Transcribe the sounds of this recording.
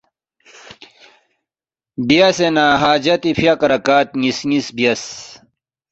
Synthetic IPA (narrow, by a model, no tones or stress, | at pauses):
bijɐsenaːɦaːd͡ʑɐt̪ifjakɐɾɐkaːt̪ŋisŋisbijɐs